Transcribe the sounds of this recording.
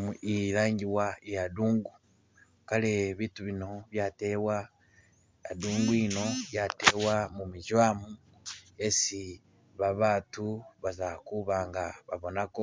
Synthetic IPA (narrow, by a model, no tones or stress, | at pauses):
uiɾaːɲɟiwaijaduːŋɡu | kaleβituβino̞βjaːtewa | a̰duːŋɡuino̞jatewamumiʒwamu | esi | βaβaːtuβazakuβaːŋɡaβaβo̞nako